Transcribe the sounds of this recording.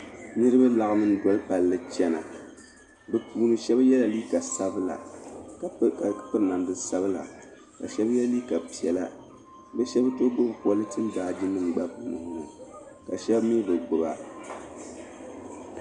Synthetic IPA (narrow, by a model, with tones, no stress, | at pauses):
nɨ˦ɾɨ˦ba˦la˨ɣɨ˨nɨ˦n˦dɔ˨˦lpa˨lːɨ˦t͡ʃɛ˦na̰˨ | bɛ˨pʰuː˨nɨ˨ʃɛ˦ba˦jɛ˦la˨liː˦ka˨sa˦bɨ˦la̰˨ | pɨ˦ɾɨ˨na˨mdɨ˨sa˦bɨ˦la̰˨ | ka̰˨ʃɛ˦bjɛ˦liː˦ka˨pi˨ɛ˨la˦ | bɛ˦ʃɛ˦ba˦to˦ɡ͡bo˦bpwɔ˦lɨ˦tɨ˦n˦daː˨d͡ʒɪ˦nːɨ˦m˨ɡ͡ba˦puː˨nɨ˨hnɨ˨ | ka˨ʃɛ˦bmi˦bɨ˨ɡ͡bʊ˨ba̰˦